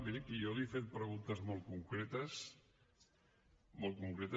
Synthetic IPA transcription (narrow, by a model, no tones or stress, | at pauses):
ðikijoliefet̪̚pɾəɣunt̪ɐzmolˠt̪kuŋkɾet̪əs | molˠt̪̚kuŋkɾet̪ə